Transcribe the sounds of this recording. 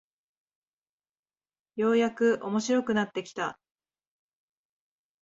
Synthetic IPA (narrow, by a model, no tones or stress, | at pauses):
jo̞ːjakɯ̟ʔo̞mo̞ɕiɾo̞kɯ̟nat̪ːe̞kʲi̥t̪a